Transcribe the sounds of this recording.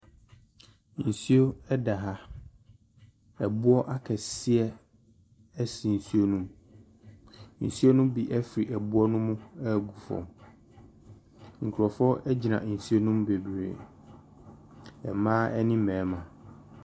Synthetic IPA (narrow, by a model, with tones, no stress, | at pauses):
n̩˨si˦o˦ɛ˦da˨ɦa˦ | ɛ˨bu˦ɔ˦ʔa˦kʰɛ˨sɪ˦ɛ˦ | ɛ˦si˨n̩˨su˦o˦nũ˦m | n̩˨su˦o˦nʊ̃˦bi˨ʔɛ˦fɾi˨ʔɛ˨bu˦ɔ˦nʊ̃˦mʊ̃˦ɛ˦˨ɡu˨fɔ̰̃˨m | ŋ̩˨kʰu˨ɾɔ˨fɔ˦ʔɛ˦d͡ʑi˨nã̰˨n̩˨su˦o˦nũ˦mbe˨bɾḛ˨ | ɛ˨mãː˦ɛ˦nɪ̃˦mɛ̃ː˨˦mã˨